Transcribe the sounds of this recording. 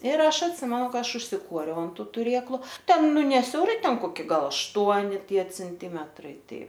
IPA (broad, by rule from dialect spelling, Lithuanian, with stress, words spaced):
ɪr ˈɐʃ ɐtʲˈsʲɪmʲɛnʊ ˈkɐ ˈɐʃ ʊʃʲsʲɪˈkuɔrʲɛʊ ɐn ˈtʊ tʊˈrʲeːklˠʊ ˈtʲɛn ˈnʊ nʲɛ sʲɛʊˈrɐɪ ˈtʲɛn koːˈkʲɪ ˈɡɐlˠ ɐʃˈtuɔnʲɪ ˈtʲiɛ t͡sʲɛnʲˈtʲiːmʲɛtrɐɪ ˈtɐɪ